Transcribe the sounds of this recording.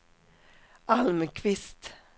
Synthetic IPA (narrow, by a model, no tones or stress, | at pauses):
ʔɑlməkʰʋɪst̪